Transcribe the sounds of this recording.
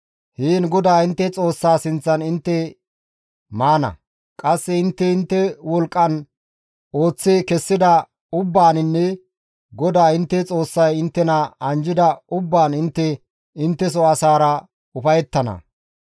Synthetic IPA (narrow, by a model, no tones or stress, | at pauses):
hiːnɡɔd̪aːɪnt̪ːɛt͡sʼo̞ːsːaːsɪnt͡sːɐnɪnt̪ːɛ | maːnɐ̰ | kʼɐsːɛɪnt̪ːɛɪnt̪ːɛwɔlkʼːɐn | o̞ːt͡sːeːkɛsːɪd̪ɐ | ʊbːaːnɪnːɛ | ɡɔd̪aːɪnt̪ːɛt͡sʼo̞ːsːɐjɪnt̪ːɛnɐɐnd͡ʒɪd̪ɐʊbːaːnɪnt̪ːɛ | ɪnt̪ːɛs̬ɔɐsaːɾɐ | ʊfɐjɛt̪ːɐnɐ̰